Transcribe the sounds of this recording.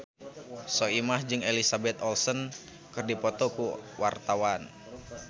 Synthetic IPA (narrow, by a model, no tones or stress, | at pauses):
sɔimahd͡ʒɨŋelisabɛt̪ɔlsɔn | kɨrdipɔt̪ɔkuwʔart̪awan